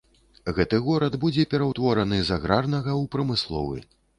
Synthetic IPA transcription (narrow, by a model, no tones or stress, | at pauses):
ɣɛt̪ɨɣɔɾɐd̪bud͡zʲɛpʲɛɾɐwt̪vɔɾɐnɨzaɣɾarnɐɣɐwpɾɐmɨslˠɔ̰vɨ̰